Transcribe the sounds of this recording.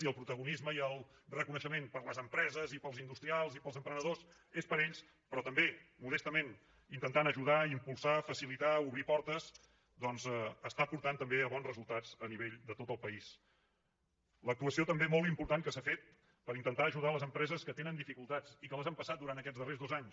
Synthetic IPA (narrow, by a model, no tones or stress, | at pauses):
iəlˠpɾut̪əɣunizməiəlˠrəkunəʃəmenpəɾləzəmpɾɛzəzipəlˠzind̪ust̪ɾialˠzipəlˠzəmpɾənəðos | espəɾeʎs | pɾɔt̪əmbemuðɛst̪əmen | int̪ənt̪anəʒuðaimpulˠsafəsilit̪auβɾipɔɾt̪əs | d̪ɔnzɛəst̪apuɾt̪ant̪əmbeəβɔnzrəzulˠt̪ad͡zəniβeʎd̪ət̪ot̪əlˠpəis | lək̚t̪uəsiot̪əmbemolˠt̪̬impuɾt̪ankəsafet̪̚ | pəɾint̪ənt̪aəʒuð̞aələzəmpɾɛzəskət̪enənd̪ifikulˠt̪ad͡zikələzampəsat̪d̪uɾant̪əkɛd͡zðərezðozaɲs